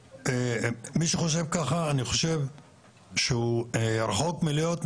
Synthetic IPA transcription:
emiʃeχo̞ʃ̬e̞vkaχaːniχo̞ʃe̞v | ʃeuɾχokmilijot̪

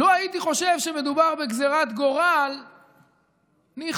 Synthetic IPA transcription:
loait̪iχo̞ʃe̞vʃeme̞d̪ubaʁbeɡzeʁat̪ɡo̞ʁal | niχ

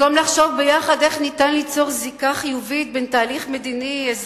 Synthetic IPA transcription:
amlaχʃo̞vbejaχad̪eχnitanlit͡so̞ʁzikaχijuvit̪̚bentaːliχmed̪iniez

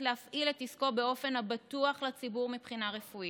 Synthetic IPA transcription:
leafʔiletisko̞beo̞fe̞nabatuaχlat͡sibuʁmipχinaʁefui

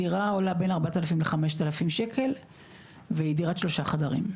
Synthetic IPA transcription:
iʁaolabe̞naʁbat̪alafimleχame̞ʃt̪alafimʃe̞kʰe̞l | veidiʁatʃlo̞ʃaχadaʁḭm

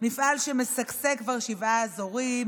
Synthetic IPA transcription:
nifʔalʃemesaksekvaʁʃivaːzoʁim

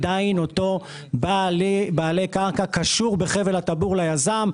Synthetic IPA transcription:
d̪aino̞t̪o̞ | balbaːle̞kaʁkakaʃuʁbeχevelat̪abuʁlajazam

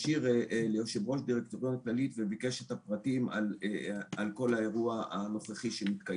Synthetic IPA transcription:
iʁlejoʃevʁo̞ʃdiʁekt̪oʁjonaklalit̪vevikeʃet̪apʁatima̰lalko̞lae̞ʁuaa̰no̞χeχiʃemit̪kaj

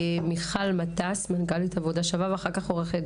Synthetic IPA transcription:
miχalmatasmanɡalitavodaʃavavaχakaχoʁeχed

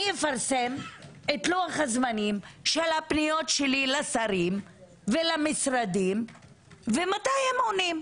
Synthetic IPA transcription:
nijefaʁsemetluaχhazmanimʃelhapnijo̞tʃelilasaɾim | velamisɾad̪im | vematajemonim

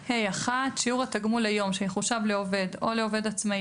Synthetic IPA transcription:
hejaχatʃiuʁataɡmulajo̞mʃeneχuʃavleove̞d̪o̞leove̞dat͡smai

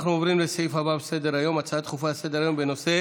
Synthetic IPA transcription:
χɾumɔbɾinbeseifababsed̪eɾajɔmat͡sʰaat̪χufased̪eɾajɔmbenɔse

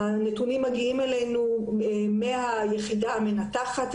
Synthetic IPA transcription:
anet̪unimːaɡiimelejnumehajeχidaamenat̪aχat̪

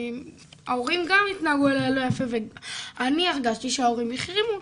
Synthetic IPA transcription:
aoʁimɡamit̪naaɡualalo̞jafe̞veaniaχɡaʃt̪iʃeao̞ʁimiχʁimu

